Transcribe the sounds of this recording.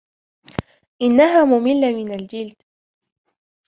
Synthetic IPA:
ʔɪnːaɦaːmʊmɪlːamɪnald͡ʒɪld̪

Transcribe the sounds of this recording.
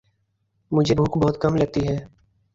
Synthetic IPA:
mʊd͡ʒʱebʱuːkbɔɦʊt̪kəmləɡ̚t̪iɦɛː

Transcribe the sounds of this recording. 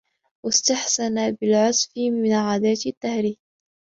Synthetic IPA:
wast̪aħsanabɪlʕʊsˤfmɪnʕaːd̪aːt̪t̪ːahɾiː

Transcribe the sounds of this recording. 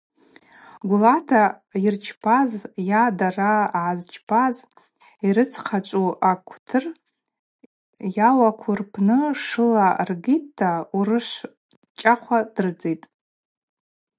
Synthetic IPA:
ɡʷulatʰa | irt͡ʃʰpʰazjadaraazt͡ʃʰpʰaz | iɾɨt͡sʰqʰat͡ʃʷʼuakʷʰtʰɨr | jawakʷʰʊrpʰnɨʂɨlarɡitʰːaurɨʂʷ | t͡ʃʼaχʷʰad̥ɨrd͡zejtʼ

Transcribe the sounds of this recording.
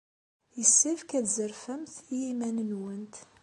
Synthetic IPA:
jəsːifkæd̪zəɾfæmθiimænənwənt̪

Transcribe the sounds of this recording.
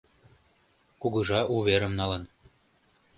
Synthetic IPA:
kuɣɤ̆ʒɑʔuβeɾə̆mnɑlɤ̆n

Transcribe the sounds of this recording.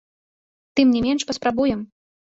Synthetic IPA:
t̪ɨmnʲɛmʲɛnʂpɐspɾabujɛm

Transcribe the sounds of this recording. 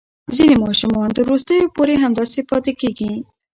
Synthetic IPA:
zinemɑʃumɑnt̪əɾːust̪əjopoɾeɦamd̪ɑsepɑt̪ekeɡi

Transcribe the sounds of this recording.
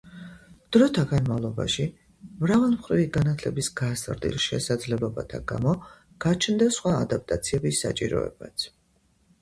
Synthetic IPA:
d̪̥ɾɔt̪ʰaɡanmavlˠɔba̰ʃi | mɾavɛlˠmχɾiviɡanat̪ʰlɛbisɡazɾd̪ḭlʃɛ̰sad̪zlɛblˠɔba̰t̪ʰaɡa̰mɔ | ɡ̥at͡ʃʰnd̪asχwaːd̪ap̚ʰt̪ʼat̪sʰiɛbisːa̰t͡ʃʼiɾɔ̰ɛ̰ba̰t̪sʰ

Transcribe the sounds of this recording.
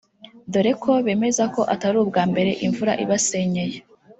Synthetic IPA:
doɾe̞kʰo̞βe̞ːme̞zako̞ʔataɾuːb̚ɡaːmbe̞ɾe̞ʔiɱvuɾa̰ʔiβase̞ɲe̞je

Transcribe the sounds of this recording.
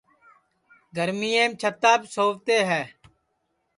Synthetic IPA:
ɡəɾmiːeːmt͡ʃʰət̪ːaːpsoːʋt̪eːɦɛː

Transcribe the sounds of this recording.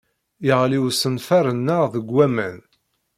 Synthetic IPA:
jəʁliwsənfæɾənːəʁðəɡwæmæn

